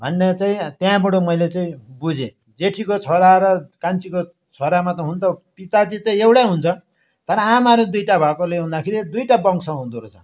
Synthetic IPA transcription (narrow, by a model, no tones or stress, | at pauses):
bʱʌnːet͡saĩt̪jãbʌɽomʌjlet͡saĩbud͡zḛ̃ | d͡zeʈʰikot͡sʰoɾaɾʌkant͡siko | t͡sʰoɾamat̪ʌ̃ɦunt̪ʰʌpit̪ad͡zit̪ʌiewɽajɦunt͡sʰʌ | t̪ʌɾʌ̃amaɾud̪ujʈabʱʌkoleɦũnd̪akʰiɾid̪ujʈabʌŋksʌŋɦund̪uɾot͡sʰʌ̰